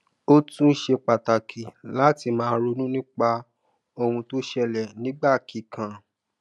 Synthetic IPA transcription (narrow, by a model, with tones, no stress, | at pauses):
o˦tũ˦ʃe˧k͡pa˨ta˨kʰi˨la˨˦ti˧mãː˦ɾo˧nũ˦nĩ˦k͡pa˧ | o˧hũ˧to˦ʃɛ˧lɛ˨nĩ˨˦ɡ͡ba˦˨ki˨kʰã˨